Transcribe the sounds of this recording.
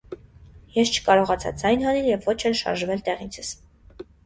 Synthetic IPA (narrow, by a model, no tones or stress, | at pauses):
jɛst͡ʃʰə̥kɑɾɔʁɑt͡sʰɑ̰d͡zɑjnɦɑnɛljɛvːɔt͡ʃʰɛlʃɑ̰ɾʒvɛlt̪ɛʁint͡sʰəs